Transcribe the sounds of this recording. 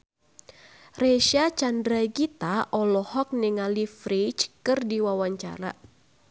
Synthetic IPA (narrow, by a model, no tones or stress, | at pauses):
reʃat͡ʃandɾaɡit̪aʔɔlɔhɔk̚nɛŋalifɾit͡ʃkɨrdiwawaɲt͡ʃa̰ɾa̰